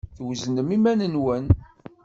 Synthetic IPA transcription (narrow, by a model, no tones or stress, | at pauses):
θwznəmimænənwən